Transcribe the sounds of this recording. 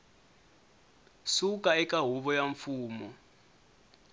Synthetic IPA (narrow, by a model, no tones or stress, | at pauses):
sukʼaɛkʼaɦuβɔjaɱfuːmɔ